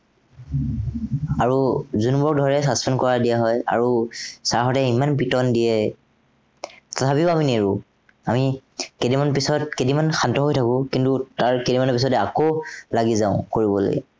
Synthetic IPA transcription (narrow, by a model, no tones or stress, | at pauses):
aɹuzunubɔkdʱɔɹɛsaspʰɛnkɔɹadijaɦɔja̰ɹusaɹxɔtɛimanpitɔndijɛ | tatʰapiʊamineɹũ | amikedimanpisɔt̚kedimanxantɔɦojtʰakʊ̃kintutaɹkedimanɔpisɔtɛakolaɡizãʊ̃koɹibɔlo̰jɛ